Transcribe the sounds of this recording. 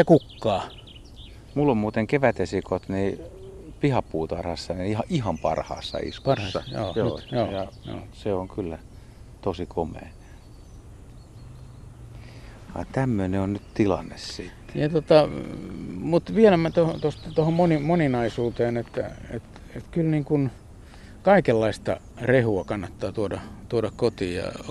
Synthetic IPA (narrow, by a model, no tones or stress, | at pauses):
jɑkukːɑː | mulːommuːt̪eŋkeʋæt̪esikot̪niːpihɑpːuːt̪ɑrhɑsːɑnihɑʔihɑmpɑ̰rhɑ̰ːsːɑ̰ḭsrːɑjo̰ːjoːjɑjo̰ːseoŋkylːæ | t̪osikʰomˑḛː | ʋɑ̰nt̪æmːøneonnytt̪ilɑ̰nːessiːˑt̪ːjɑt̪ot̪ɑ | mut̪ʋielæmæt̪ohot̪ost̪t̪ohommonimoninɑisuːt̪eːnet̪ːæ̰ḛt̪ | et̪kylniːŋkun | kɑikelːɑist̪ɑ̰ | rehuɑkɑnːɑt̪ːɑːt̪uodɑt̪uoɾɑkkot̪iːjɑ̰